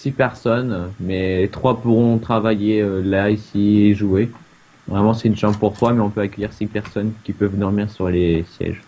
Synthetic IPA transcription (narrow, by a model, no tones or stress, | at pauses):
sipɛʁsɔnmɛet̪χwapuʁɔ̃t̪χavajeølaisieʒue | vʁɛmɑ̃sɛynʃɑ̃bpuʁswamɛɔ̃pøakʲœjiʁsipɛʁsɔnkʲipœvd̪ɔʁmiʁsyʁlesjɛ̰ʒ